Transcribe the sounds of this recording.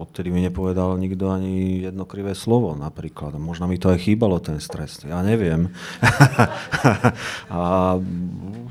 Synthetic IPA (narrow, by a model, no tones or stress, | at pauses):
ɔt̪t̪ɛd̪imiɲɛpɔʋɛd̪alɲiɡd̪ɔaɲijɛd̪nɔkɾiʋɛːslɔʋɔnapɾiːklad̪mɔʒnɔmit̪ɔajxiːbalɔt̪ɛnst̪ɾɛsjaːɲɛʋɪɛm | a